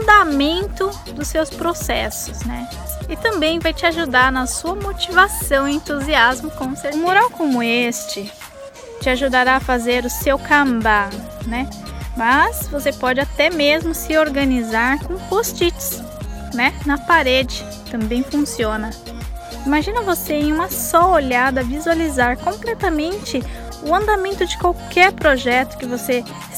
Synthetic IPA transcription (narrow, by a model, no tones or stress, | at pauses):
d̪amẽnt̪ʊ | d̪ʊsewspɾosɛsʊsnɛ | ɪt̪ɐ̃mbẽj̃vajt͡ʃɪaʒud̪aɾnɐsuɐmot͡ʃivasɐ̃w̃iẽnt̪uziazmʊkõmsẽmoɾawkõmʊest͡ʃɪ | t͡ʃɪaʒud̪aɾaːfazeɾʊsewkɐ̃mba | nɛ | mɐsvosepɔd͡ʒɪat̪ɛmezmʊsɪoɾɡɐnizaɾkõpost͡ʃit͡ʃɪ̥s | nɛnɐpaɾed͡ʒɪ | t̪ɐ̃mbẽj̃fũsiõnɐ | imaʒĩnɐvoseẽj̃ũmɐsɔoʎad̪ɐvizualizaɾkõmplɛt̪ɐmẽnt͡ʃɪ | ʊɐ̃nd̪amẽnt̪ʊd͡ʒɪkwawkʰɛɾpɾoʒɛt̪ʊ̥kɪvose